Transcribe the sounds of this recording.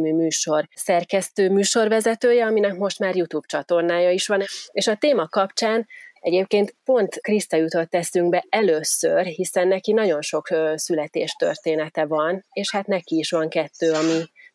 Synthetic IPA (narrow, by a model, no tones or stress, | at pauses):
myːmyːʃo̞rsɛrkɛst̪øːmyːʃo̞rʋɛzɛt̪øːjɛɒminɛkmo̞ʃt̪maːrjut̪uːbt͡ʃɒt̪o̞rnaːjɒiʃʋɒneːʃɒt̪eːmɒkɒpt͡ʃaːnɛɟeːp̚keːnt̪po̞nt̪krist̪ɒjut̪o̞t̪ːɛsyŋɡbɛʔɛløːsːørɦisɛnːɛkinɒɟo̞nʃo̞ksylɛt̪ḛːʃt̪ø̰rt̪eːnɛt̪ɛvɒneːʃhat̪nɛkiːʃʋɒŋkɛt̪ːøːɒmi